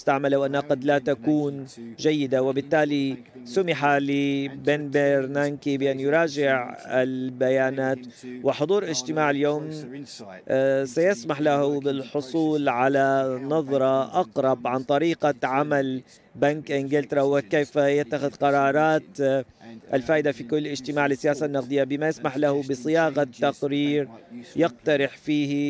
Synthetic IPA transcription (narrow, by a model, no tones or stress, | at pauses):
st̪aʕmalawʔanːhaqɑd̪lat̪akuːnd͡ʒajːɪd̪awɪbɪt̪ːaːli | sʊmɪħalɪbeːnbeɾnankibɪʔanːjʊɾˤɑːd͡ʒɪʕɪlbajaːnaːt̪ | wɪħʊd̪ˤuːɾlɪʒt̪ɪmaːʕɪljoːm | sajasmaħlahʊbɪlħʊsˤuːlʕalanɑðˤɾˤɑʔɑqɾˤɑbʕant̪ˤɑɾiːqaʕamal | bankʔɪnɡɪlt̪ɑɾˤɑwɪkeːfajɪt̪ːaxɪðqɑɾˤɑːɾˤɑːt̪ | ʔɪlfaːʔɪd̪afikʊlːɪd͡ʒt̪ɪmaːʕlɪsːɪjaːsanːɑqd̪ˤɨjːabɪmajɪsmaħlahubɪsˤɨjaːɣat̪ːaqɾiːɾjɪqt̪ɑɾɪħfiːhi